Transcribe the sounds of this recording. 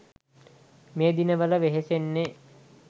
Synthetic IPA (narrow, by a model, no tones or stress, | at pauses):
meːd̪inəʋələʋeɦesenːe